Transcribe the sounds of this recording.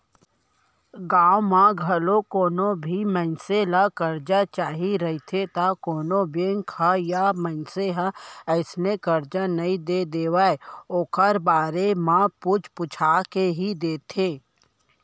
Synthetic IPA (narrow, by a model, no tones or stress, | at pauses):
ɡaːwmãɡʱɐlokoːnobʱimənselakɐɾd͡ʒat͡ʃaːɦiɾɐɦit̪ʰet̪akoːnõbeŋkʰajamə̃nseɦaɛɪsnekəɾd͡ʒanɐĩd̪ed̪eːwaːeoːkʰəɾbaːɾemãput͡ʃpʊt͡ʃʰaːkeɦid̪eːt̪ʰeː